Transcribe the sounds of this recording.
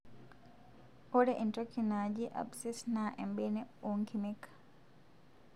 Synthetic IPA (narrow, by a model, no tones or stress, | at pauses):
ʔɔɗɛʔintokʰːinad͡ʒiʔa̰bsɛsnaʔɛmbɛnɛoŋkimikːḁ